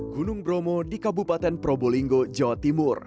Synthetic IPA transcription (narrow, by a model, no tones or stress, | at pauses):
ɡ̥unʊŋbɾomɔdikabupat̪ɛnpɾɔboliŋɡod͡ʒawat̪imʊr